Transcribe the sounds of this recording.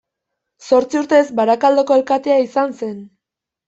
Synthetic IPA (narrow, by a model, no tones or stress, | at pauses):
so̞ɾt͡siuɾt̪e̞zbaɾakald̪o̞ko̞e̞lkat̪e̞aisanse̞n